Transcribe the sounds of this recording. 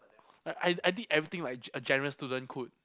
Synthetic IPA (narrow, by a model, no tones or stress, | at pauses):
aaɪajdidɛvɹit̪ɪ̃ŋlaɪk̚əd͡ʒɛnəɹəstudə̃nkʰut̚